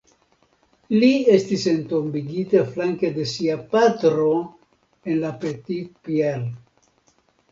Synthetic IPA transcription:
lie̞stise̞nt̪ombiɡitaflaŋked̪e̞siapat̪ɾo | e̞nlapet̪it̚piel

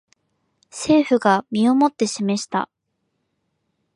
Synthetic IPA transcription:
se̞ːɸɯ̟ɡamʲio̞mo̞t̪ːe̞ɕime̞ɕi̥t̪a̰

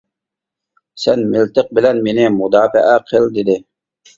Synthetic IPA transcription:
sɛnmɪlt̪ɪq̚bɪlɛnmenɪmʊd̪ɑːfə̰ʔæqʰəld̪ed̪ɪ

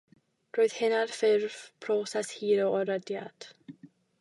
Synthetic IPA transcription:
d̥roɨð̥hɪnarfɪrv̥pʰrɔsɛshiːɾoɔɾədjad̥

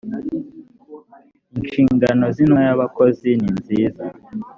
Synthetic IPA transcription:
inʃiːŋɡano̞zinojaβakozininziːza

